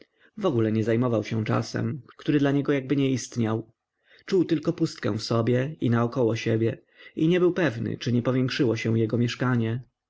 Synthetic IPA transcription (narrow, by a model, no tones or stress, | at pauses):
vɔɡulɛɲɛzajmɔvawɕɛ̃t͡ʂa̰sɛ̰mkt̪uɾɘd̪laɲɛɡɔjaɡ̚bɘɲɛist̪ɲaw | t͡ʂuwt̪ɘlkɔpust̪̚kɛ̰̃w̃fsɔbʲjɛinaɔkɔwɔɕɛbʲjɛ | iɲɛbɘwpɛvnɘ̰t͡ʂɘɲɛpɔvʲjɛŋkʂɘwɔɕɛ̃jɛɡɔmʲjɛʂkaɲɛ